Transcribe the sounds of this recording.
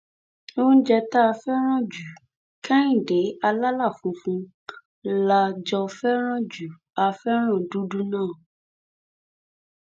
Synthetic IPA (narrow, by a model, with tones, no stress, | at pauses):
o˦n̩˦d͡ʒɛ˧t̪a˦a˧fɛ˦ɾ̃ã˦d͡ʒu˨ | kã˦ĩ˦˨ɖe˨˦a˧la˦la˦˨fũ˨fũ˧ | la˨d͡ʒɔ˧fɛ˦ɾ̃ã˦d͡ʒu˨˦ | a˨fɛ˦ɾ̃ã˦˨ɖu˦ɖu˦nãː˦˨